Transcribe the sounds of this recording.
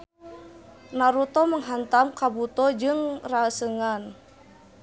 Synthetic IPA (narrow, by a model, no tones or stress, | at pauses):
naɾut̪ɔməŋɦant̪amkabut̪ɔd͡ʒɨŋraəsəŋan